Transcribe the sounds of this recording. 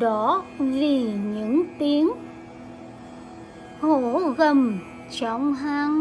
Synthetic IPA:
ɗɔ˧˦vi˨˩ɲɨ̰˧˥ŋt̪i˨˦əŋ | ho˧˨ɣə˨˩m | t͡ɕɔ˧˨wŋ͡mɦaː˧ŋ

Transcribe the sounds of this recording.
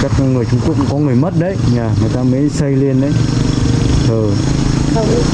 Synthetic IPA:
kaː˦˥k̚ŋɨ˨˩əjt͡ɕʊ˧ŋ͡mku˦˥əkŋ͡mkɔ˨˦ŋɨ˨˩əjmə˦˥t̚ɗə˨˦jɲaː˨˩ŋɨ˨˩əjt̪aː˧mə˨˦jsə˧jli˧ənɗə˨˦j | t̪ʰəː˨˩˧

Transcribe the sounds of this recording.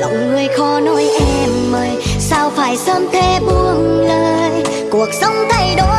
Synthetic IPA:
lə̰˧˨wŋ͡mŋɨ˧əjxɔ˨˦no˧˦jʔɛ˧mːəː˨˧˩jsaː˧wfaː˧˩jsəː˧mt̪ʰe˧˩ɓu˧˩əŋləː˧˨j | ku˧˩ək̚sə˧wŋ͡mt̪ʰə˧˩jɗo˧˥

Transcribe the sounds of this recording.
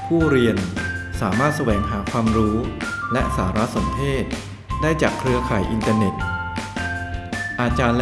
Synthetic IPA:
pʰuː˥˩ɾi˧ənsaː˩˦maː˥˩t̪̚sa˧wɛː˩˦ŋɦaː˩˦kʰwaː˧mɾuː˦˥lɛ˦˥ʔsaː˩˦ɾa˦˥so˩˦mpʰeː˥˩t̪̚ | daː˥˩jt͡ɕaː˨˩kʰɾɯ˦˥əkʰaː˨˩jʔi˧nt̪aː˧ne˨˩t̪̚ | ʔaː˧t͡ɕaː˧nl

